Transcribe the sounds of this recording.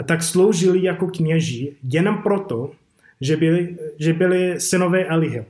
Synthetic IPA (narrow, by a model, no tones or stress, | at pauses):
t̪akslowʒɪlɪjakokɲɛʒɪjɛnompɾot̪o | ʒɛbɪlɪʒɛbɪlɪsɪnovɛːʔalɪɦɛ